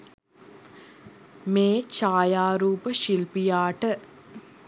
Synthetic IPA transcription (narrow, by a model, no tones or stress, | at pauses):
meːt͡ʃaːjaːɾuːpəʃilpijaːʈə